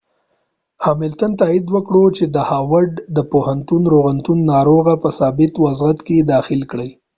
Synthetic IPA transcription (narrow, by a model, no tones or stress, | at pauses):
hɑmɪlt̪ənt̪ɑid̪wəkɽot͡ʃed̪əhɑwaɖd̪əpohant̪unɾoɣant̪unːɑɾoɣapəsɑbɪt̪wazɣat̪ked̪ɑxɪlkɽəj